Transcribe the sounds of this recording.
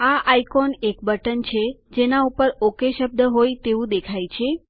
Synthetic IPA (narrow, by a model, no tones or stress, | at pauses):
aʔajkonekbəʈənt͡ʃʰed͡ʒenaupəɾokeʃəb̚d̪əɦojt̪eʋũd̪ekʰajt͡ʃʰe